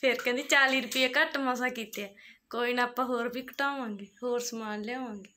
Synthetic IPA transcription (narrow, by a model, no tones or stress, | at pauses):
pʰɪɾkɛ̃ːnd̪iːt͡ʃaːliːɾʊpɪɛːkəʈmasaːkiːt̪eɛːkoːiːnaːpãːɦoːɾpiːkə̥ʈaːʋãːŋɡeːhoːɾsəmaːnlɛːʋãːŋɡeː